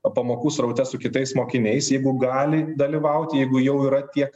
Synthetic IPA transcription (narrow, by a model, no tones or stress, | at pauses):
pɐmoːkuːsɾɐʊt̪ʲɛsʊkʲɪt̪ɐɪsmoːkʲɪnʲɛɪsjɛɪɡʊɡɑːlʲɪd̪ɐlʲiʋɐʊt̪ʲjɛɪɡʊjɛʊiːɾɐt̪ʲiɛk